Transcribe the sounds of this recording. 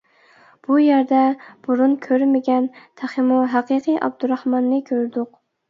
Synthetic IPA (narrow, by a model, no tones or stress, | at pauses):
b̥ujæɾd̪ɛb̥uɾunkʲʰøɾmɪɡʲɛnt̪ʰæχɪmuɦæqɨqʰɨjʔɑ̰b̚d̪uɾɑhmɑnːɨkʲʰøɾd̪ʊq